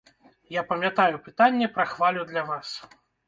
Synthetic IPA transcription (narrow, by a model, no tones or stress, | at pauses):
japɐmʲjat̪ajupɨt̪anʲːɛpɾɐxvalʲud̪lʲavas